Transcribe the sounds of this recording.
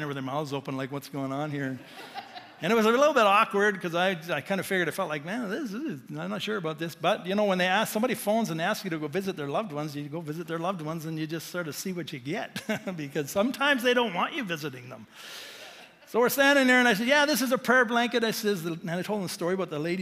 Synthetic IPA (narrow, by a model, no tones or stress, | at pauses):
nə˞wɨðə˞maʊzoʊpə̃n̩laɪkwʌtsɡ̥oʊɪ̃ŋə̃nhiɹɨ̃n | ɨ̃ñɨt̚wʌzəlɪɾl̩ˠbɪɾɔkwə˞d̚kʰʌzaɪaɪkʰãɪ̃ndɨfɪɡjə˞ɾaɪfɛlˠtlaɪk̚mæ̃nðɪsɪɪzãɪ̃mnətʃʊɹɨbaʊt̪̚ðɪsb̥ʌt̚jɨñoʊwə̃nðeɪæssʌ̃mbɑɾifõʊ̃nzɨ̃nðeɪæskjɨɾɨɡovɪzɨt̪̚ðə˞lʌvd̚wʌ̃nzjɨɡoʊvɪzɨt̪̚ðə˞lʌvd̚wʌ̃nzɨ̃njɨd͡ʒʌststɑɹɨsiwʌt͡ʃɨɡɛt̚bɨkʰʌz̥sʌ̃mtʰãɪ̃mzðeɪɾõʊ̃nʔ̚wɑ̃nt͡ʃɨvɪzɨɾɪ̃ŋðə̰̃m | soʊwɨɹstæ̃ndɪ̃ŋðiɹɨ̃naɪs̬ɛdjæðɪs̬ɨzəpʰɛɹblæ̃ŋkɨɾaɪsɛzɨ̃naɪtʰoʊlˠdðəməstɔɹiəbaʊt̪̚ðəleɪɾi